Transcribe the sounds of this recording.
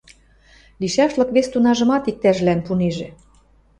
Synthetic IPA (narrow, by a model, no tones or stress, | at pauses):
liʃæʃlɤ̆kβest̪unɑʒɤ̆mɑt̪ik̚t̪æʒlænpuneʒĕ